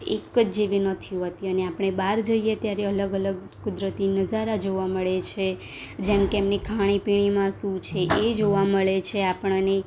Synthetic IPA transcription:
ḛkːəd͡ʒd͡ʒeʋinət̪ʰijũɦət̪iəneapɳ̃ebaɾd͡ʒoijet̪jaɾeələɡələɡ | kʊd̪ɾət̪inəd͡ʒaɾad͡ʒoʋaməɭet͡ʃʰe | d͡ʒemkeemnikʰaɽ̃ipiɽ̃imãʃũt͡ʃʰeʔed͡ʒoʋaməɭet͡ʃʰeapəɳ̃ne

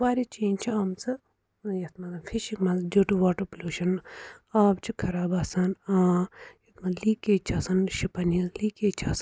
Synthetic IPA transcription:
ʋaːɾit͡ʃẽːnt͡ʃʰiɐmsɨ | jɐt̪mɐt̪ɐfiʃikmɐnzd͡ʒoːʈuʋaːʈɨplʲuːʃɐnaːbt͡ʃʰikʰɐɾaːbaːsaːnãːjɐt̪mɐnliːkeːt͡ʃʰaːsɐnʃipɐnizliːkeːt͡ʃʰaːsɐn

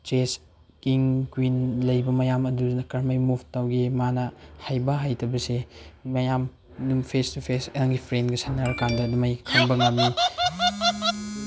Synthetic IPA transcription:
t͡ʃes | kiŋkwinlɐjbɐmɐjamɐdunɐkɐɾmajmubʰʱtawɡemanɐhajbɐɦajtʰɐbɐsemɐjam | numpʰestupʰeseŋɡipʰɾenɡɐsanːaɾɐkandɐdumajkʰɐŋbɐŋɐmni

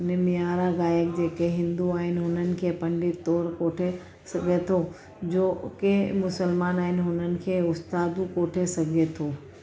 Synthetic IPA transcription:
nɪmɪjaːɾaɡaːjək̚d͡ʑeːkeɦɪ̃nd̪uaːɦɪn̆ɦʊnənɪ̆kʰepɐ̃ɳɖɪt̪ːoːɾkoːʈʰe | sɐɡʱet̪ʰo | d͡ʑoːkemʊsəlmaːnaːɦɪnɦʊnənɪ̆kʰeʊst̪aːd̪ũkoːʈʰesɐɡʱet̪ʰoː

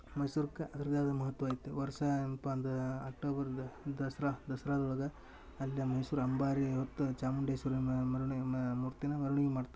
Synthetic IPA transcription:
mɐjsuːɾɐkːɐʔɐd̪ɐɾɐd̪aːd̪ɐmɐɦɐt̪ːʋaːit̪ːuʋɐɾsɐnpɐnd̪ɐaːk̚ʈoːbɐɾd̪ɐsɾaːd̪ɐsɐɾaːd̪ɐuɭɐɡɐː | lːjɐmɐjsuːɾɐmbaːɾiɦot̪ːut͡ʃaːmuɳɖejsuɾmɐɾuɳimuːɾt̪inɐmɐɾuɳiɡemaːɖt̪ɐ

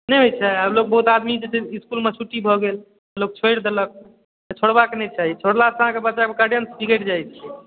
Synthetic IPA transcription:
nɛjɦojt̪t͡ʃʰaɦiəblok̚bəɦut̪ad̪mid͡ʒeteiskulmet͡ʃʰuʈibʱɔɡel | əlok̚t͡ʃʰojɽd̪elək̪̚ | t͡ʃʰoɽbakenɛt͡ʃaɦit͡ʃʰoɽlasəɦãkebətːt͡ʃakekaɖjənspikeʈd͡ʒajt̪ʰiɛ

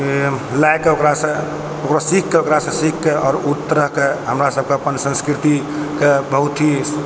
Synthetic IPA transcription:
lajkeokɾasə̃ | okɾasikːeokɾasə̃sikːeɔːɾut̪ːəɾəɦkeɦəmɾasəb̚keəpənsə̃nskɾit̪i | kebəɦut̪ɦi

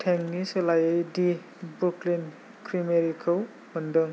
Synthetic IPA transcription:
tʰeŋniselajejdi | bɾuklin | kʰɾimeɾikʰɯw | mɐndɯŋ

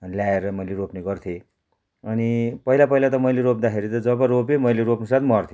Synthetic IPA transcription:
ʌnljaeɾʌmʌjleɾopneɡʌrt̪ʰje | ʌnipʌɦilapʌilat̪ʌmʌjleɾop̚d̪akʰeɾit̪ʌd͡zʌbaɾopemʌjleɾopnusat̪mʌrt̪ʰji

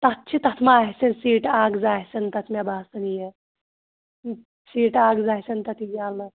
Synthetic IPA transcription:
t̪at̪t͡ʃʰit̪ɐt̪ʰmaːɦsensiːʈaɡd͡zaɦsent̪ɐt̪ʰmʲabʱaːsɐnje | siːʈaɡd͡zajsent̪ɐt̪ʰiɡalə

